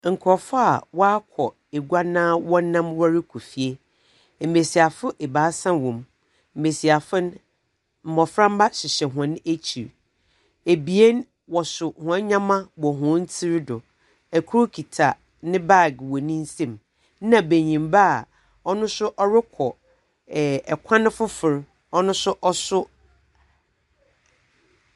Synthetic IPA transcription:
ŋ̩˨kʰɔ˨fʊ˦a˨wɔ˦a˦kʷʰɔ˨ | e˨ɡʷa˦nãː˦wɔ̃˦nːã˦mwɔ˦ɾɪ˦kʰu˨fi˨e˦ | m̩˨me˨si˨a˨fʊ˦ʔe˨baː˨˦sã˦wɔ̃˨m | m̩˨me˨si˨a˨fɪ˦n | m̩˨mɔ˨fɾã˦m˦ba˦ɕɪ˨ɕɛ˨ɦʊ̃˨n˦e˦t͡ɕʰi˨ɾ | e˨bi˨e˦n | wɔ˨sʊ˨hʊ̃˨a˦ɲã˦mã˦wɔ˨ɦʊ̃˦n˦tʰi˦ɾdʊ˨ | æ˨kʰu˦ɾʊ˦kʰi˨tʰa˨ | nɪ̃˦ba˦˨ɡwɔ˨nĩ˦n̩˦sẽ˦˨m˦ | nã˨be˨ɲĩ˨mba˦a˨ | ɔ˦nʊ̃˦sʊ˦ʔɔ˦ɾɪ˦kʰɔ˨ | ɛ˨kʷʰã˦nʊ̃˦fʊ˦fʊ˨ɾ | ɔ˦nʊ̃˦sʊ˦ʔɔ˦sʊ˦

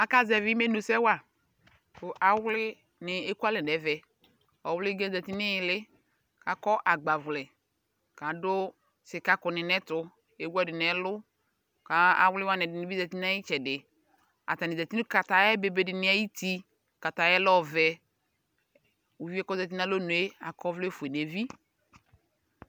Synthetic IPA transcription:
a˨ka˦zɛ˨vɪ˦me˦no˨sɛ˦wa˦˨ | kʊ˨ʔa˨wlɪ˦ | nɪ˨e˦ku˦a˦lɛ˨ɛ˨vɛ˨ | ɔ˨wlɪ˦ɡɛ̃˦zɛ˨ti˦nɪ˦jlɪ˦ | ka˨kɔ˦ʔa˨ɡ͡ba˨vʊ˨lɛ˨ | ka˨dʊ˦ | sɪ˨ka˨kɔ˨nɪ˨nɛ˦tʊ˨ | e˨˦wɛ˦˨dɪ˨nɛ˨˦lʊ˦ | ka˨˦a̰˨wlɪ˦wa˦nɛ˨dɪ˨nɪ˨bi˦za˨ti˦na˦ɪ˦t͡ʃɛ˨dɪ˨ | a̰˨ta˨nɪ˨za˨ti˦n˦ka˨ta˨jɛ˦be˨be˨dɪ˨nɪ˦a˦ji˦ti˦ | ka˨ta˨jɛ˦lɔ˦vɛ˨ | u˨vi˦ɛ˦kɔ˦za˨t̬i˦na˦lo˦nu˨e˦a˨kɔ˦vlɛ˦fʊ˨e˨n˨e˨vi˦

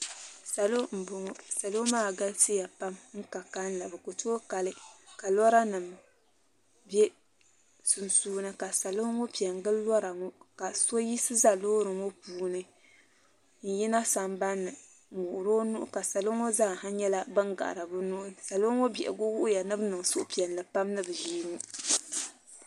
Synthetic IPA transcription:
sa˨lo˦m̩˨bo˨ŋo˦sa˨lo˦maː˦˨ɡa˦lti˦ja˨pa˦mŋ̩˦ka˨ka˦n˦la˨bɨ˨ko˨to˦ka˨lɨ˦ka˨lɔ˦ɾa˦nɨ˨m˨ | bɛ˦ | sʊ˨nsuː˦nɨ˦ka˨sa˨lo˦ŋo˦pi˨a˨ŋɡɨ˦llɔ˦ɾa˨ŋo˦ka˨so˦ji˦sɨ˦za˦lo˦ɾɨ˨ŋo˦puː˨˦nɨ˦ | ŋ̩˨ji˦na˦sa˨mba˦nːɨ˨ | mʊ˨ʔʊ˨ɾo˦nu˦ʔʊ̰˦ka˨sa˨lo˦ŋo˦za˦ŋ˨ha˦ɲɛ˦la˦bɨ˦ŋɡa̰˨ʔɾa˨bɨ˦nʊ˦ʔʊ˦sa˨lo˦ŋo˦bi˨ʔɛ̰˨ɡo˦wʊ˦ʔʊ˦ja˨nɨ˦bnɨ˨ŋ˨sʊ˦ʔʊ˦pi˨ɛ˨n˨lɨ˨pa˦mnɨ˦bɨ˨ʒiː˦ni˦

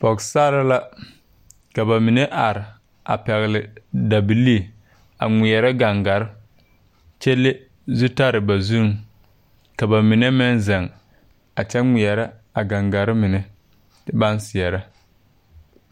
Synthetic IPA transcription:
fɔ˨ksaː˦ɾa˦la˦ | ka˨ba˨mɪ˨ne˦ʔa˨ɾɪ˨ | a̰˨pɛ˨ɣɪ˨lɪ˨da˨bi˨li˦˨ | a̰˨ŋʷɪ˨ɛ˨ɾɛ˦ɡa˨ŋɡa˨ɾɪ˦ | t͡ʃɛ˦lːe˦ | zu˦ta˦ɾɪ˨ba˨zu˦ŋ | ka˨ba˨mɪ˨ne˦mɪ˦nzɛ˨ŋ | a˨t͡ʃɛ˦ŋʷɪ˨ɛ˨ɾɛ˦a˨ɡa˨ŋɡa˨ɾɪ˦mɪ˨nɛ˦ | tɪ˦ba˦nsɪ˨ɛ˨ɾa˦

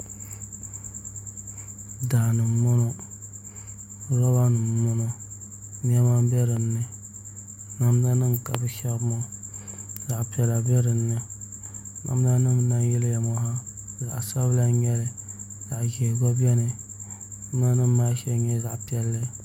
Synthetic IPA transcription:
daː˨nɨ˨mo˦no˦ | ɾɔ˦ba˦nɨ˨mɔ˦no˨ | n˦ɛ˦ma˦bɛ˦ɾɨ˨nːɨ˨ | na˦m˦na˦nɨ˦ŋ˨ka̰˨bɨ˦ʃa˦kmɔ˦ | za˨ʔpɛ˨la˨bɛ˦ɾɨ˨nːɨ˨ | na̰˨m˦na˦nɨ˦mna˦nji˦lja˨mɔ˦ha˦za̰˨ʔsa˦bla˦ɲɛ˦lɪ˨ | za˨ʔd͡ʒɛ˨ɡɔ˦bɛ˦nɨ˨˦ | m˦na˦nɨ˦ma˦ʃɛ˦ɲɛ˦za˨ʔpɛ˨lːɨ˦

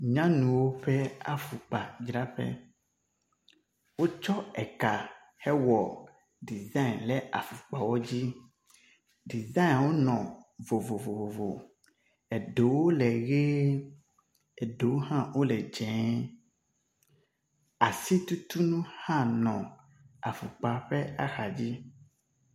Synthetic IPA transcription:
ɲã˦nũ˨wo˦ɸɛ˦a̰˨fu˨k͡pa˨d͡ʒɾa˦ɸɛ̰˦ | wo˦t͡ʃɔ˦ɛ˨ka˨ | hɛ˦wɔ˨ | ɖi˨za˦i˨nlɛ˦ʔa̰˨fu˨k͡pa˨wɔ˦d͡ʑi˦ | ɖi˨za˦˨nwo˦nɔ̃˨vo˨vo˨vo˨vo˨vo˨ | ɛ˨ɖo˨wo˦lɛ˨ɣe˦ | ɛ˨ɖo˨wo˦ɦã˦wo˦lɛ˨d͡ʒɛ̃˨˦ | a˨si˦t̪u˦t̪u˦nũ˦hã˦˨nɔ̃˨ | a̰˨fu˨k͡pa˨ɸɛ˦a˦xa˨d͡ʑi˦

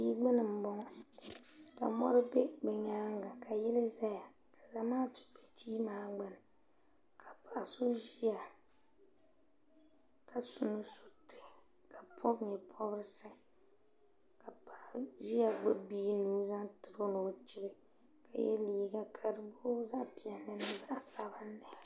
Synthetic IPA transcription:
iː˦ɡ͡bɪ˦nɨ˨m̩˨˦bɔ˦ŋɔ˦ | ka̰˨mɔ˦ɾɨ˦bɛ˦ɡ͡bɛ˨ɲa˦ŋɡa˨ka˨jɛ˦lɨ˦za˦ja˨ | ka˨za˨maː˦tu̥˨pe˨tʰiː˦maː˦ɡ͡ba˦nɨ˨ | kʰa˨pa˨ʔso˦ʒi˦a˨ | kʰa˨sʊ˨nu˦su̥˨tɪ̥˨ | ka˨pʰɔ˦bɲɛ˨pʰɔ˦bɾɪ˦sɨ˦ | ka˨pa˨ʔʒi˦a˨ɡ͡be˦biː˦nuː˦za˦ntɨ˨ɾo˦no˨t͡ʃi˦ɾɪ˦ | ka̰˨jɛ̰˦liː˨˦ɡa˦kʰa˦ɾɨ˦bo˦za˦pi˨ɛ˨nːɨ˨na˦za˦ʔsa˦ba˦nːɨ˨

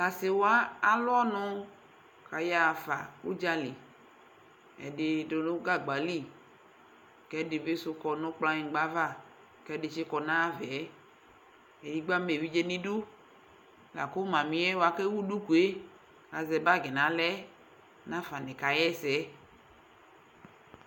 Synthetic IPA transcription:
ka˨se˨wa˦a˨lʊ˦ɔ˦nʊ̃˦ | ka˨ja˦˨fa̰˨ṵ˦d͡ʒa˦li˨ | ɛ̰˨de˨do˨nʊ̃˦ɡa˦ɡ͡ba˨li˦˨ | kɛ˦de˨be˦sʊ˦kɔ˨nʊ̃˦k͡pla˦ɲĩ˨ɡ͡ba˦va˦˨ | kɛ˦de˨ʃe˦kɔ˨nã˦vɛ˨˦ | e˨di˦ɡ͡ba˦me˨vi˦d͡ʒe˦nĩ˦du˦ | la̰˨ko˦mã˨mĩ˨˦ɛ˦wo˨a˨ke˦wu˦du˦ku˨e˦ | a˨zɛ˨ba˦˨ɡe˨nã˨lɛ˦ | nã˦fa˨nẽ˨ka˨jɛ˦sɛ˦

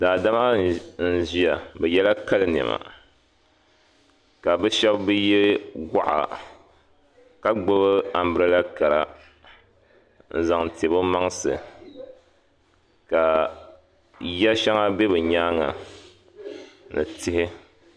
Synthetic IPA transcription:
daː˨da˦ma˦n̩˦˨ʒi˦a˨bɛ˨jɛ˦la˦ka˦lɨ˦nɛ̰˨ma̰˨ | ka˨bɛ˦ʃɛ˦bbɨ˦jɛ˦ɡʷa˦ʔa̰˨ | ka˦ɡ͡bo˦bɨ˦a˨m˦bɨ˨ɾɨ˦la˦ka˨ɾa̰˨ | n̩˨za˨ŋ˨te˨bɨ˦ma˦ŋsɨ̰˨ | ka˨ | jɛ˦ʃa˦ŋa˦be˦bɨ˨ɲaː˦ŋa̰˨ | nɨ̰˨tɪ˦hɪ˦

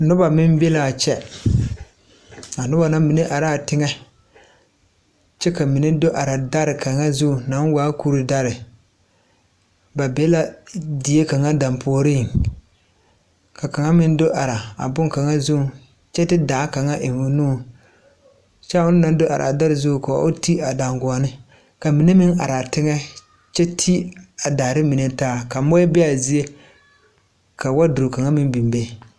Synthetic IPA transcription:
nʊ˦ba˨mɪ˦m˦be˦la˨t͡ʃɛ˦ | a˨nʊ˦ba˨na˦mi˨ne˦ʔa˨ɾa˦˨tɪ˦ŋɛ˦ | t͡ʃɛ˦ka˨mɪ˨ne˦do˦ʔa˨ɾa˨da˦ɾɪ˨kʰa˨ŋa˦zu˦˨na˨˦waː˦ku˦ɾɪ˦da˦ɾɪ˨ | ba˨bɛ˦la˦dɪ˨je˦ka˨ŋa˦da˨mpʰo˨˦ɾiː˦˨ | ka˨ka˨ŋa˦mɪ˦n˦do˦ʔa˨ɾa˨a̰˨bʊ˦ŋka˨ŋa˦zu˦˨ | t͡ʃɛ˦tɪ˦daː˨˦ka˨ŋa˦ʔɪ˨ŋʊ˦nuː˦˨ | t͡ʃa˦ʊ˦n˦na˨˦do˦ʔa̰˨ɾʔa̰˨da˦ɾɪ˨zʊ˦˨ka˨a̰˦ʔʊ˦ti˦a˨da˨ŋɡʊ˨a˨nɪ˦ | ka˨mi˨ne˦mɪ˦ŋa̰˨ɾa˨tɪ˦ŋɛ˦ | t͡ʃɛ˦tʰi˦a˨da˨ɾɪ˦mi˨ne˦taː˦˨ka˨mɔ˦ɛ˦bɛ˦a˨zi˦e˦ | ka˨wa˦dʊ˨o˨ka˨ŋa˦mɪ˦nbi˨mbe˦

